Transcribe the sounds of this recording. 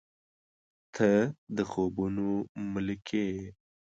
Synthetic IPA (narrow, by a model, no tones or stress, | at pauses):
t̪ʰəd̪əxobunomʊlkʰe